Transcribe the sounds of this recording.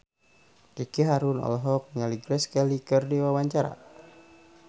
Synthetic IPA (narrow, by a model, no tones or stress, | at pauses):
ikiɦaɾunɔ̰lɔɦɔk̚ŋaliɡɾɛskɛlikərdiwawaɲt͡ʃaɾa̰